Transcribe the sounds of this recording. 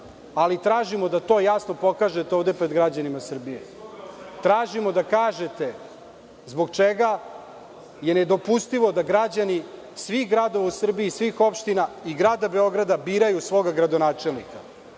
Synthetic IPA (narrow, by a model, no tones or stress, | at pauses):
alit̪ɾaːʒimod̪at̪o̞ːjasno̞po̞kaːʒet̪eoʋd̪e̞pɾe̞d̪ɡɾad͡ʑanimasr̩bije | t̪ɾaːʒimo̞d̪akaːʒe̞t̪e̞ | zbo̞ɡt͡ʂeɡa | je̞ned̪o̞pust̪iʋo̞d̪aɡɾad͡ʑani | sʋixɡɾaːd̪o̞ʋausr̩biiːsʋixo̞pʃt̪inaiɡɾaːd̪abe̞o̞ɡɾad̪abiːɾajusʋo̞ɡaɡɾad̪o̞naːt͡ʂelnḭka